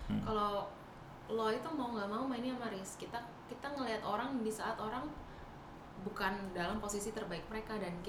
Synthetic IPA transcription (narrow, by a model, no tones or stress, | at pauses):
kalo | lɔit̪umauŋɡamaumainiamaɾɪskit̪a | kit̪aŋəliɦat̪oɾaŋdisaːt̪oɾaŋ | bukandalamposisit̪ərbaɪk̚məɾekadanki